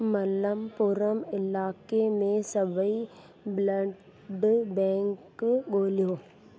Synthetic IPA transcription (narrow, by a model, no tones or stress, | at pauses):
mɐləmpʊɾəmɪlaːkemẽsɐbəi | blə | ɖbɛ̃ːŋkɠoːlijoː